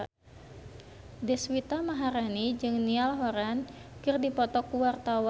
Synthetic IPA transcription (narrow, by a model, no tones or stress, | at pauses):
dɛswit̪amaɦaɾanid͡ʒɨŋnialɦɔɾankɨrdipɔt̪ɔkuwart̪awa